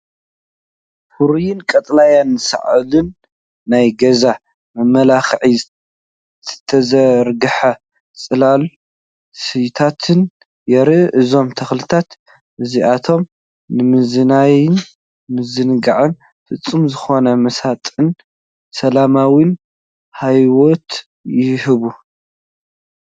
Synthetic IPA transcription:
fuɾujɪnkʼɐt̪ʼlajanːɨsa̰ʕɨlɨnː | ajɡɐza | mɐmɐlaxʕi | ɨt̪ʰɐzɐɾɡɨħɐ | t͡sʼɨlal | sɨjt̪ʰat̪ʰɨn | jɛɾɨʔʔɨzo̞mt̪ʰɐxlɨt̪ʰat̪ | ʔɨziʔat̪ʰo̞m | nɨmɨzɨnajɪn | mɨzɨnɡaʕɨn | fɨt͡sʼːɨmzɨxo̞nɐmɐsat̪ʼɨn | sɐlamawin | hajwot̪ | jɪhɨβu

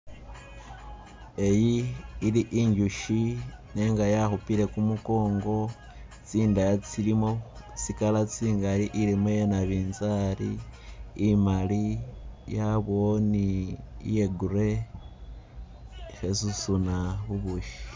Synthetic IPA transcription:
e̞jiːliʔiɲɟuʃineːŋɡajaxupile̞kumuko̞ːŋɡo̞ | t͡siːndajat͡silimo | t͡sikalat͡siːŋɡaliʔilimojenaβiːnzaliː | malijaβo̞niḭje̞ɡuɾe̞ | xesusunaβuβuʃi̥

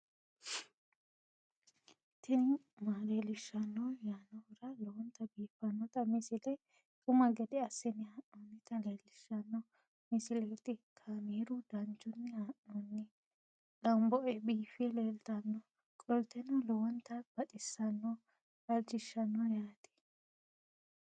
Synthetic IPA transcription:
t̪ɪn | maːleːlɪʃːɐnːɔjaːnɔwɪɾɐlɔwɔnt̪ːɐbiːfɐnːɔt̪ɐmɪsɪlɛ | tʼʊmɐɡɛd̪ɛɐsːɪnɪhɐnːɔnːɪt̪ɐleːlɪʃːɐnːɔ | mɪsɪlɛt̪ɪkʰaːmiːɾʊd̪ɐnd͡ʒʊnːɪaʔɔnːɪ | lɐmbɔʔɛbiːfɛleːlt̪ɐnːɔ | kʼɔlt̪ːɛnɔlɔwɔnt̪ːɐb̥ɐtʼɪsːɐnːɔ | ɐlt͡ʃɪʃːɐnːɔjaːt̪ɛ̥

